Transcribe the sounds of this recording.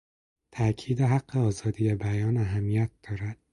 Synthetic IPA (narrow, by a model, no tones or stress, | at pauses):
t̪ʰæcʰiːd̪eɦæɡ̥ːeɒːzɒːd̪iːjebæjɒːnæɦæmːijæt̪̚d̪̥ɒːɾæd̪̥